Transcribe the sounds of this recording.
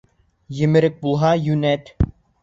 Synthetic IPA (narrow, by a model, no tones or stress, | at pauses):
jɘ̆mɘ̆ɾɘk̚bulˠɦɑjʉnæt̪